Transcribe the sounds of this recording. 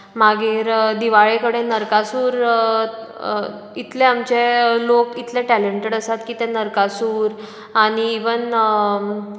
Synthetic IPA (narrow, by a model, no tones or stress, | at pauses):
maɡiːɾd̪iʋaɭekəɽenəɾkasuːɾ | it̪leamt͡ɕelokit̪lɛʈæleɳʈeɽəsat̪kiːt̪ɛ̃nəɾkasuːɾ | aɽiːʋən